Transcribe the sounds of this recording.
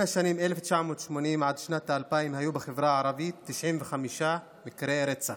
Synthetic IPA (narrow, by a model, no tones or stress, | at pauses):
aʃanimeleft͡ʃaʕmoːt̪ʃmo̞nimʕad̪ʃnat̪aːlpaimhajubexevɾaʕaɾavit̪ːiʃʕimvexamiʃa | mikɾeɾet͡sa